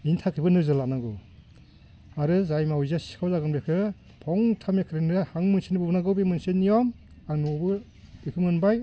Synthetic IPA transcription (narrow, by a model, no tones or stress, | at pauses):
intʰakʰɯjbɯnɯzɯlaknaɡɯw | aɾɯzajmawziasi̥kʰawzaɡɯnbekʰɯ | pʰɔŋtʰamekʰɯɾenɯhaŋmɯnsinibɯbnaɡɯwbimɯnsenːijɔm | anuɔbɯ | bikʰɯmɯnbaj